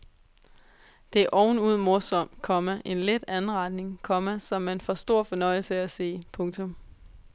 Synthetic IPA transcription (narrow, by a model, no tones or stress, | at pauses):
d̥e̝æɐʔɒʊn̩uð̞̰ˠmɔ̝ɐsɒ̽m̰̥kʰɒ̽mæʔe̝nled̥ænn̩ʁɑ̈d̥ne̝ŋkʰɒ̽mæsɒ̽mænfɒsd̥o̝ɐ̰fɒ̽nɒ̽ɪ̰l̩səæse̝̰ːpʰɔ̽ŋt͡sʰɔ̽m